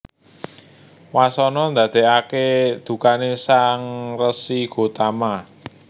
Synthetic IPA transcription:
wasɔnɔnd̪ä̤d̪̥e̤aked̪̥ṳkanesaŋrəsiɡ̥o̤t̪ama

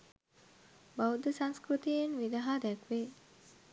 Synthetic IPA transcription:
baud̪əsaŋskɾut̪ienʋid̪aɦaːd̪ɛkʋe

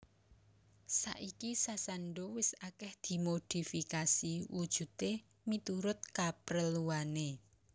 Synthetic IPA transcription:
sa̰ʔikisasanɖowɪsakɛhd̪̥i̤mod̪̥i̤fikasiwud̥ʒ̥ṳt̪e | mit̪uɾʊt̪̚kapɾəluane

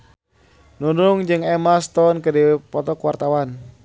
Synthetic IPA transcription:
nunʊŋd͡ʒɨŋɛmast̪ɔnkədiwpɔt̪ɔkwart̪awan

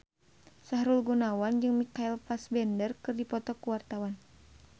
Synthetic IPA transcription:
saɦɾulɡunawand͡ʒɨŋmikailpasbɛndərkɨrdipɔt̪ɔkuwart̪awan

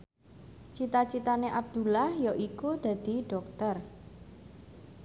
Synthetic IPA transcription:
t͡ʃit̪at͡ʃit̪aneʔab̚d̪̥ulahjoʔikud̪̥ä̤d̪̥i̤ɖ̥ɔ̤k̚t̪ər

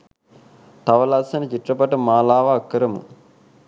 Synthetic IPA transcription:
t̪ɐʋɐlasɐnɐt͡ʃiʈɾɐpɐʈɐmaːlaːʋɐːkːɐɾɐmṵ

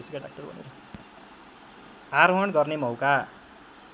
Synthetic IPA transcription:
sikaɖa̰k̚ʈʌrbʱʌ̰nḛɾʌ | aɾwʌɳɡʌrnemʌwka

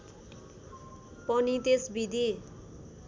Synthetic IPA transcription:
pʌnit̪esbid̪ʱi

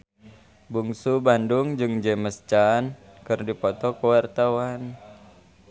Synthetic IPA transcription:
buŋsubandʊŋd͡ʒɨŋd͡ʒɛməst͡ʃankɨrdipɔt̪ɔkəwart̪awan

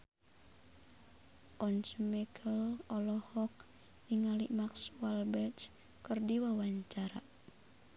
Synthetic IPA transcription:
ʔɔnt͡ʃəmɛkʰəlɔlɔhɔk | niŋaliʔmaksualbɛt͡ʃ | kərdiwawaɲt͡ʃaɾa̰

